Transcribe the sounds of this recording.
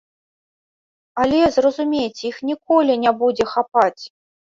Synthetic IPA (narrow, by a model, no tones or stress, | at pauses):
alʲɛzrɐzumʲejt͡sʲixnʲikɔlʲinʲɛbud͡zʲɛxapat͡sʲ